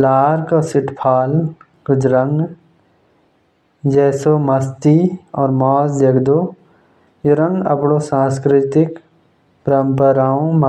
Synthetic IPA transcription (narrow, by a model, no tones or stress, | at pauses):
laːɾkasɪʈpʰaːl | kʊd͡ʒɾəŋɡ | d͡ʒɛːsomɐst̪iɔːɾmɔːsd̪eɡd̪o | jeɾə̃ŋɡɐ̰pɽosãːskɾɪt̪ɪk | pəɾəmpəɾaːõm